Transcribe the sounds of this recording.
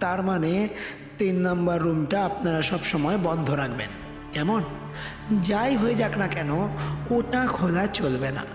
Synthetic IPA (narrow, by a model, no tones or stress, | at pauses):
t̪aɾmane | t̪inːɔmbaɾːumʈaapnaɾaʃɔbʃɔmɔebɔnd̪ʱoɾakʰbḛn | kɛmon | d͡ʑajɦoed͡ʑaknakɛnooʈakʰolat͡ɕolbena̰